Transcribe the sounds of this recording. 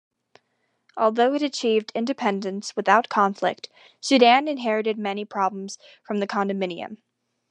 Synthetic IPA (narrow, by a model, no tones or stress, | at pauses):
ʔɔlˠðoʊɨɾɨt͡ʃʰivdɪ̃ndɨpʰɛ̃ndɨ̃nswɨθaʊt̚kʰɑ̃ɱflɪ̰k̚t | sʉɾæ̃nɨ̃nɦɛɹɨɾɨd̚mɛnipʰɹ̥ɑblə̃m̩z̥ | fɹʌ̃mðɨkʰɑ̃ndɨmɪ̃niɨ̰̃m